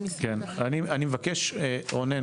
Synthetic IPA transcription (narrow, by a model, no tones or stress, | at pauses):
kenanianimevakeʃeone